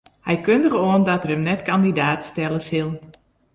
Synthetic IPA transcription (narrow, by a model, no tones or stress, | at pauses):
hɛjkøndəɣoəndɔtərəmnɛtkandidaːtstɛlˠəsɪlˠ